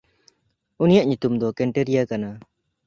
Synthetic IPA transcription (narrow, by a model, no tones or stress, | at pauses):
unijaʔɲut̪umd̪ɔkɛɳʈeɾijakana